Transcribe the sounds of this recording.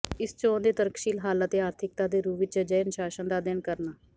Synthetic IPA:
ɪst͡ʃõːnd̪eːt̪əɾəkʃiːlɦaːlət̪eːaːɾt̪ʰɪkt̪aːd̪eːɾuːʋɪt͡ʃəd͡ʒəənʃaːʃənd̪aːd̪ɪnkəɾnaː

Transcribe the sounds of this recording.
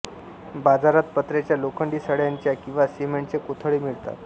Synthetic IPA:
bad͡zaɾat̪̚pət̪ɾet͡ɕjalokʰəɳɖiːsəɽjaɲt͡ɕjakĩw̃ʋasiemeɳʈt͡sekot̪ʰəɭiːmiɭt̪a̰t̪

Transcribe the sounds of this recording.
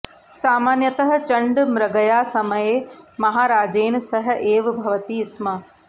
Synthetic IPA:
saːmaːnjɐt̪ɐɦɐ̆t͡ʃɐɳɖmɾɐɡɐjaːsɐmɐjeːmɐɦaːɾaːd͡ʒeːnsɐɦɐ̆ʔeːʋbʱɐʋɐt̪iːsmɐ

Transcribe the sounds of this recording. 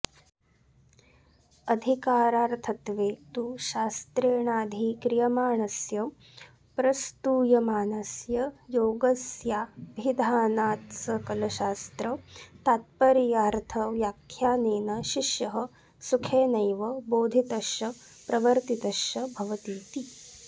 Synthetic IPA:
ɐd̪ʱikaːɾaːɾt̪ʰɐt̪ʋeːt̪uʃaːst̪ɾeːɳaːd̪ʱikɾijɐmaːɳɐsjɐ | pɾɐst̪uːjɐmaːnɐsjɐjoːɡɐsjaːbʱid̪ʱaːnaːt̪sɐkɐlɐʃaːst̪ɾɐt̪aːt̪̚pɐɾijaːɾt̪ʰɐʋjaːkʰjaːneːnɐʃiʃjɐɦɐ̆ | sukʰeːnɐjʋɐboːd̪ʱit̪ɐʃɐ | pɾɐʋɐɾt̪it̪ɐʃjɐbʱɐʋɐt̪iːt̪i

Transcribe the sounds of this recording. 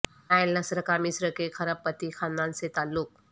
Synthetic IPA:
ajlːɐsɾəkamisɾəkekʰɐɾəpːət̪ixʰãnd̪ãnset̪alːuk̚

